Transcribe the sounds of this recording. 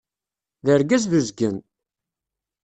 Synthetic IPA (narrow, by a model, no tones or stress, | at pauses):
ðəɾɡæzðəzɡən